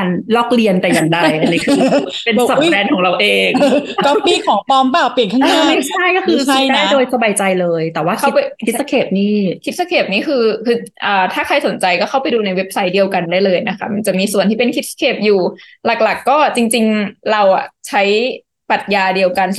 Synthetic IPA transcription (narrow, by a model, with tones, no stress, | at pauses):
aː˧nlɔː˥˩k̚li˧ənt̪a˨˩jka˨˧˩ŋdaː˥˩jʔa˧nːiː˦˥kʰɯː˧ | pe˧n˩sa˨˩plɛː˧nkʰɔː˩˦ŋɾa˧wʔeː˧ŋkɔ˧piː˧˩kʰɔː˩˦pɔː˧mpaː˨˩pi˨˩ənkʰa˥ŋa˥˧˥ma˥˩jt͡ɕʰa˥˩jkɔː˥˩kʰɯː˧a˦˥˩aː˥˩˦doː˧jsa˧baː˧jt͡ɕa˧jlɤː˧jt̪ɛː˨˩waː˥˩kʰa˥˦˥pa˧i˦˥sa˧kʰeː˨˩p̚niː˥˩kʰi˦˥t̪̚sa˧kʰeː˨˩p̚niː˥˩kʰɯː˧kʰɯː˧ʔaː˨˩t̪ʰaː˥˩kʰa˧jso˩˦nt͡ɕa˧jkɔː˥˩a˥˩wpa˧jduː˧na˧jwe˦˥p̚sa˦˥jdi˧əwka˧ndaː˥˩jlɤː˧jna˦˥kʰa˦˥ma˧nt͡ɕa˨˩ʔmiː˧su˨˩ənt̪ʰiː˥˩pe˧nkʰi˦˥t̪̚skʰeː˨˩p̚juː˨˩ | la˨˩k̚la˨˩kːɔː˥˩t͡ɕi˧ŋt͡ɕi˧ŋɾa˧wʔa̰˨˩t͡ɕʰa˦˥j | pa˨˩t̪̚jaː˧di˧əwka˧n